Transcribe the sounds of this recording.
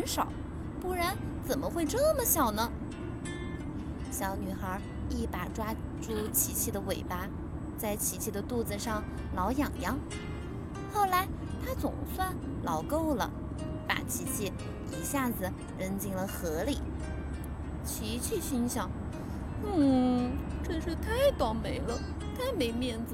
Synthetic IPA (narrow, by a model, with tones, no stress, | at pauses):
xə˧˥nʂɑ˨˩˦ʊ | pu˥˩ɻa˧˥nt͡sə˨˩mə˦xwe˥˧ɪʈ͡ʂɤ˥˩mə˨ɕjɑ˨˩ʊnə˦ | ɕjɑ˧˩˥ʊny˨˩xə˞˧˥ | i˥˩pa˨˩ʈ͡ʂwa˥ʈ͡ʂu˥˩t͡ɕʰi˧˥t͡ɕʰi˥˩d̪ə˩we˨˩ɪpa˥ | t͡sa˥˩ɪt͡ɕʰi˧˥t͡ɕʰi˥˩d̪ə˨t̪u˥˩d͡z̩˧ʂɑ˥˩ŋ | lɑ˧˥ʊjɑ˨˩ŋjɑ˥ŋ | xo˥˩ʊla˧˥ɪ | t̪ʰa˥t͡sʊ˨˩ŋswa˥˩n | lɑ˧˥ʊko˥˧˩ʊlə̰˩ | pa̰˨˩t͡ɕʰi˧˥t͡ɕʰi˥˩ | i˧˥ɕja˥˩d͡zɹ̩˩ | ɻə˧˥nt͡ɕi˥ŋlə˨xɤ˧˥li˨˩˦ | t͡ɕʰi˧˥t͡ɕʰy˥˧ɕi˥nɕjɑ˥˩ŋ | n̩˥˩ | ʈ͡ʂə˥˧ʂɻ̩˥˧t̪ʰa˥˩ɪt̪wa˥˩nme˧˥ɪlə˧ | t̪ʰa˥˩ɪme˧˥ɪmjɛ˥˩nd͡z̩˧˩